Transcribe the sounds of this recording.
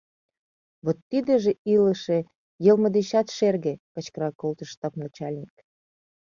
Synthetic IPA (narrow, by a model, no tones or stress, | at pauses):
βot̪ːid̪ĕʒĕilə̆ʃe | jəlˠmə̆d̪eɕɑt̪ʃerɣĕkə̆t͡ɕkəɾɑkolt̪ə̆ʃt̪ɑpnɑt͡ɕɑlʲnʲik